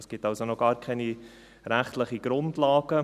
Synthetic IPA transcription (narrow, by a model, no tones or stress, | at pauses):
sɡ̥ɪtalsonɔɡ̥ɑːɾkʰɛni | ɾæχtləχiɡ̥ɾʊndlɑːɡ̥ə